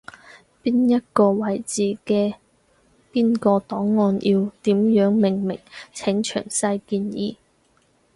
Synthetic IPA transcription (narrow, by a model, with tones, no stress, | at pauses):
piː˥njɐ˥t̚kɔː˧wɐ˨˩jt͡siː˨˧kɛː˧ | piː˥nkɔː˧t̪ɔː˨˥ŋːɔː˧nʔiː˧wt̪iː˨˥mjœː˨˥ŋmɪ˨˩ŋmɪ˨˩ŋt͡sʰɪ˨˥ŋt͡ʃʰœ̰ː˨˩ŋsɐ˧jkiː˧njiː˧